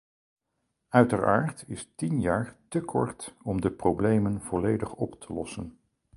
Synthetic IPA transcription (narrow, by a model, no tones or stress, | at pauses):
œɥtəɹa̰ːɹtɪstinjaːɹtəkʰɔ̰ɹtɔmdəprowblejmənv̥ɔlejdəχɔptʰəlɔsən